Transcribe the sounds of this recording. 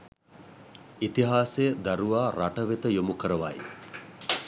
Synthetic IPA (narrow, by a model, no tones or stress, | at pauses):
it̪iɦaːsejəd̪aɾuʋaːɾaʈəʋet̪əjomukəɾəʋa̰j